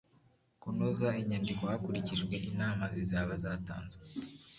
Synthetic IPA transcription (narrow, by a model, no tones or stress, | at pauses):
kunozaiɲandikohakuɾiciʒɡwe̞ʔinaːmazizaːβazaːta̰ːnzwe